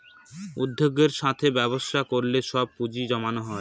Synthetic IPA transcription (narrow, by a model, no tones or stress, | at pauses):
ud̪ʱːoɡːeɾʃat̪ʰebɛboʃakoɾleʃɔb̚pud͡ʑid͡ʑɔmanoɦɔe